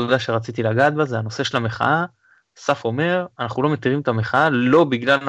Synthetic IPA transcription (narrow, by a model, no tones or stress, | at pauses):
od̪aʃe̞ʁat͡sit̪ilaɡaːt̪̚bazeano̞se̞ʃe̞lame̞χa̰ʔa | safo̞me̞ʁanaχulo̞me̞t̪iʁimet̪ame̞χaalo̞biɡla